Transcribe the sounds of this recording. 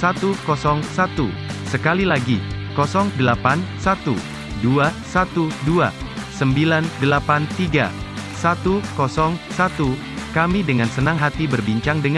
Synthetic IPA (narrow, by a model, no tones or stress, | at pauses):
sat̪ukɔsɔŋsat̪ṵsəkalilaɡikɔsɔŋdəlapansat̪ṵ | duasat̪udua̰səmbilandəlapant̪iɡa̰sat̪ukɔsɔŋsat̪u | kamidəŋansənaŋɦat̪ibərbiɲt͡ʃaŋdəŋ